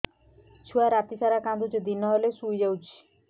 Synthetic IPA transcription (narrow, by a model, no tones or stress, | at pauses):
t͡ʃʰuaɾat̪isaɾakand̪ud͡ʑed̪inɔɦolesujd͡ʒawt͡ʃʰi̥